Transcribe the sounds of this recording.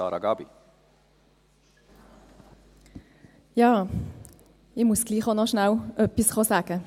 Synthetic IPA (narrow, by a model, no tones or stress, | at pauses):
ɑ̰ːɾɑɡɑːbi | jɑː | ɪmusɡ̥liːχonɔʃnalœpisχosaːɡ̥ə